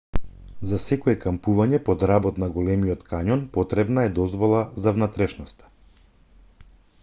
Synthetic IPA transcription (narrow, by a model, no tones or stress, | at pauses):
zasɛkɔɛkampuvaɲɛpɔd̪ɾabɔt̪naɡɔlɛmiɔt̪kaɲɔnpɔt̪ɾɛbnaɛd̪ɔzvɔlˠazavnat̪ɾɛʃnɔst̪ḁ